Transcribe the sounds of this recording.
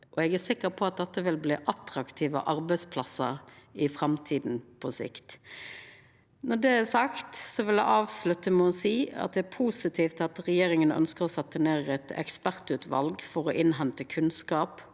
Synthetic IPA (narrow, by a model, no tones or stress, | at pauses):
ʔɔɛɡæsɪkːəpʰɔɑt̪̚d̪ɛt̪ːəʋɪlbliːʔɑt̪ɾɑkt̪ʰiːʋə̰ʔɑɾbɛɪspʰlɑsəɾɪfɾɑmt̪ʰiːd̪n̩pʰɔsɪ̰kt̪ | nɔɖ̪ɛæsɑkt̪sɔʋɪljæɪʔɑːʋslʉt̪ːəmɛɔsiːɑ̰t̪̚d̪ɛæɾpʰuːsɪt̪ʰiːft̪ɑt̪ɾɛjeːɾɪŋənœ̰nskəʁɔsɛt̪ːəneːʁɛt̪ɛ̰kspæʁt̪ʉːt̪ʰʋɑ̰lɡfɔɾɔʔɪnɦɛnt̪əkʰʉnskɑːp